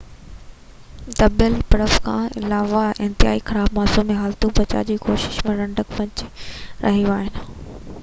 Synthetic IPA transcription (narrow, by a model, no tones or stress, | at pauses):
t̪ɐbəlpɐɽəfkʰã̰ːɪ̰laːʋaɪ̃nt̪ɪɦa̰ːixɐɾaːbmaːsumẽɦaːlt̪ũbɐt͡ɕa̰d͡ʑiːkoːʃɪ̥ʃmẽɾɐ̃ɳɖəkʋɐ̃ɲt͡ɕɾʔɐ̰ɦiuaːɦɪnɪ̆